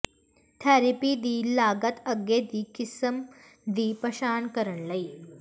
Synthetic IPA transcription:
t̪ʰaɾipid̪iːlaːɡɐt̪ʰɐɡed̪ikisɐm | d̪iːpɐɕaːnkəɾəɳlɐj

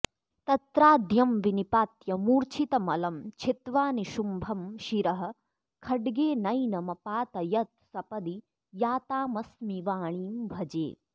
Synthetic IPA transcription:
t̪ɐt̪ɾaːd̪jɐmʋinipaːt̪jɐmuːɾt͡ʃʰit̪ɐmɐlɐmt͡ʃʰit̪ʋaːniʃumbʱɐmʃiɾɐɦɐ̆ | kʰɐɖɡeːnɐjnɐmɐpaːt̪ɐjɐt̪̚sɐpɐd̪i | jaːt̪aːmɐsmiʋaːɳiːmbʱɐd͡ʒḛː

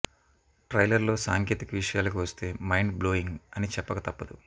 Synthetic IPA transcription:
ʈɾɐjlɐɾlo̞ːsaːŋke̞ːt̪ikɐʋiʂɐjaːlɐkiʋɐst̪e̞ːmɐjɳɖblo̞ːiŋɡɐnit͡ʃɛpːɐkɐt̪ɐpːɐd̪u

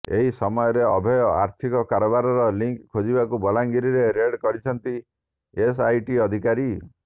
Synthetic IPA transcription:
ḛɦisɔmɔjɔɾeɔbʱɔjɔa̰ɾt̪ʰikɔkaɾɔbaɾɔɾɔliŋkkʰːod͡ʒibakubɔlaŋɡiɾiɾeɾeɽkɔɾit͡ʃʰɔnt̪i | esajʈiɔd̪ʱikaɾi

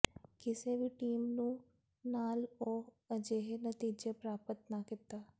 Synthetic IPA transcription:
kɪseʋiʈiːmnũː | naːloː | ɐd͡ʒeɦenɐt̪iːd͡ʒepɾaːpət̪nakɪt̪aː

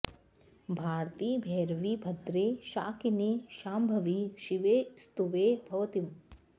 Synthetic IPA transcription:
bʱaːɾt̪iːbʱɛːɾʋiːbʱɐd̪ɾeːʃaːkiniːʃaːmbʱɐʋiːʃiʋeːst̪uʋeːbʱɐʋɐt̪im

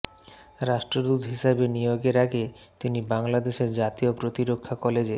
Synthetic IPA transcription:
ɾaʃʈɾod̪ut̪ɦiʃabenijoɡeɾaɡe | t̪inibaŋlad̪eʃeɾd͡ʑat̪iopɾot̪iɾokʰːakɔled͡ʑe

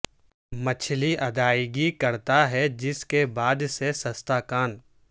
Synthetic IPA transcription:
mɐt͡ʃʰliʔɐd̪aːɪɡikɐɾt̪aɦɛd͡ʒɪskebaːd̪sesɐst̪aːkaːn

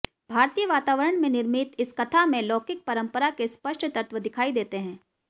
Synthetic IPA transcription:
bʱaːɾt̪ijəʋaːt̪aːʋəɾəɽ̃mẽnɪɾmɪt̪ɪskɐt̪ʰamẽlɔːkɪk̚pɐɾə̃mpəɾakespɐʃʈt̪əɾt̪ʋəd̪ɪkʰaːid̪eːt̪eɦɛ̃ː

